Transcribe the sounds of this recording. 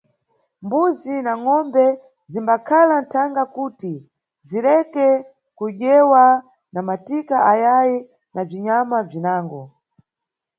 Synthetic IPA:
mbuzinaŋɔmbɛ | zimbakʰalan̩tʰaŋɡakuːti | zilɛkɛ | kuʄɛwa | namatikaʔajaji | naviɲamavinaːŋɡɔ

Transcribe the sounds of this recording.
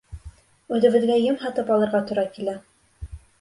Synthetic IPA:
ʉðɘ̆βɘ̆ðɡæjɤmɦɒt̪ɤpɒlˠɤ̆ɾʁɑt̪ŭɾɑkilæ

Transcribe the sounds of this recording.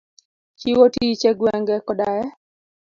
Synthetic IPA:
t͡ʃiwotit͡ʃɛɡwɛŋɡɛkɔdaɛ

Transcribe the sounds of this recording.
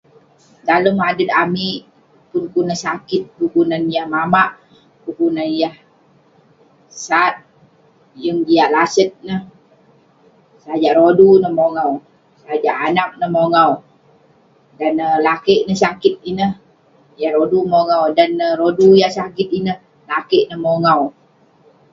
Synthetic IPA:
daləmadət̪̚amiʔ | pʊnkunəhsakɪt̪̚kukunanjahmamaʔ | kukunanjah | sat̪̚ | jəŋd͡ʒiaʔlasət̪̚nəh | sad͡ʒaʔɾodunəhmoŋaw | saad͡ʒaʔanak̚nəhmoŋaw | danəlakəʔnəhsakɪt̪̚inəh | jahɾodumoŋawdanərodujasakɪt̪̚inəh | lakəʔnəhmoŋaw

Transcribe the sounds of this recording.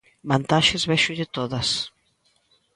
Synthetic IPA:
bant̪aʃezβɛʃuðet̪oðas

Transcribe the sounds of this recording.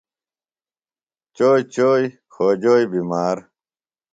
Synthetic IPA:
t͡ɕoːjt͡ɕoːj | xoːd͡ʑoːjbimaːɾ

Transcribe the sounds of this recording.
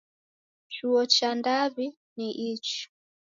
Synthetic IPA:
t͡ʃuɔt͡ʃandaβi | niʔit͡ʃi̥

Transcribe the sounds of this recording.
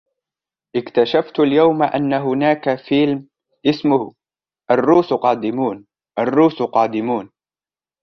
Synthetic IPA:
ʔɪkt̪aʃaft̪aljawmaʔa̰nːaɦʊnaːkafɪːlm | ʔɪsmʊh | ʔarːuːsqɑːd̪ɪmuːn | ʔarːuːsqɑːd̪ɪmuːn

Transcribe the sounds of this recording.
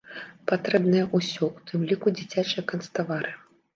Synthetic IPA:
pat̪ɾɛbnɨjɐʔusʲɔut̪ʰɨmlʲikud͡zʲit͡sʲat͡ʂɨjɐkɐnst̪avaɾɨ

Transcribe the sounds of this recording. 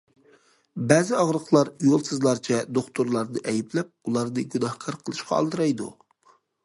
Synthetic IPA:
bɛːzɪɑʁɾəqlˠɑɾjolˠsɨzlˠɑɾt͡ʃʰɛd̪oχt̪ʰuɾlˠɑɾnɨʔɛjiplɛp̚ulˠɑɾnɨɡʲynɑhkʰɑɾqʰəlˠɨʃqɑɑ̰lˠd̪ɨɾɑjd̪ṵ

